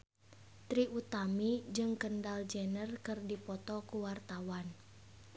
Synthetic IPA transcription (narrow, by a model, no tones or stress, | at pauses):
t̪ɾiʔut̪amid͡ʒɨŋkəndald͡ʒənərkɨrdipɔt̪ɔkuwart̪awan